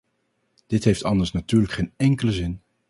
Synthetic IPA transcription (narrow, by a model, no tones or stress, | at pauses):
d̥ɪtɦejftɑndəɹsnatyːɹləkχejnɛŋkələzɪn